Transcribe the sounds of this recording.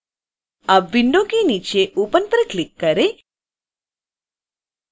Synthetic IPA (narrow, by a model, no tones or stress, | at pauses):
abʋiɳɖokinit͡ʃeʔupənpɾəklikːəɾe